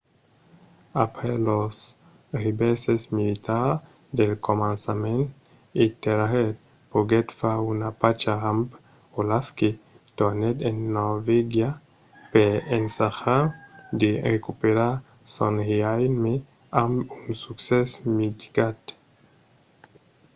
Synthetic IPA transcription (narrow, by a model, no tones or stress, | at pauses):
a̰pɾelos | ribesesmilit̪aɾ | d̪elkomansamẽnt̪ | it̪eɾahet̪̚ | poɡet̪faunapat͡ʃaamp | olafki | d̪̥oned̪enːoɾveɡja | peensaxaɾd̪erekupeɾaɾ | sonhiajnme | amunsuksesmit̪i̥ɡat̪